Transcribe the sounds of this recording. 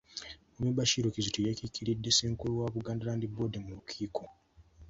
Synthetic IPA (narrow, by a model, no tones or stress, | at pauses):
umiβaʃiɾokizitojekikːiɾidːe̞se̞ːŋkulowaβuɡaːndalaːndibo̞demulukʰiːkʰo